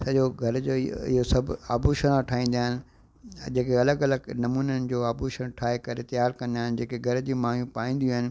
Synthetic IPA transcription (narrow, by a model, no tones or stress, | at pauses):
sɐʄoɡʱɐɾd͡ʑoːɪ̰ɦosɐbʱa̰ːbuʃɐɾ̃ãʈʰaːĩːn̆d̪aːɦɪnɪ̆ | d͡ʑeːkeɐləɡɐləɡnɐmuːnənɪ̆d͡ʑoːaːbuʃəɽ̃ʈʰaːɦekɐɾet̪ɐjaːɾkɐ̃nd̪aːɦɪnɪ̆d͡ʑeːkeɡʱɐɾd͡ʑiːmaːɦjũpaːĩːnd̪iaːɦɪnɪ̆